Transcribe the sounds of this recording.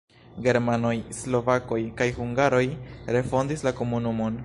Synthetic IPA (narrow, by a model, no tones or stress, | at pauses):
ɡe̞ɾmano̞jslo̞vako̞jkajhuŋɡaɾo̞jɾe̞fo̞ndislako̞munumo̞n